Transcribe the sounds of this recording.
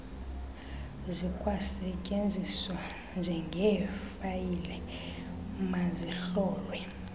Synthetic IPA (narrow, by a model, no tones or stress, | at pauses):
zikʼwasɛcʼend͡zʱiswa | nd͡ʒʱɛŋɡʱɛfajilɛ | mazixɔːlwɛ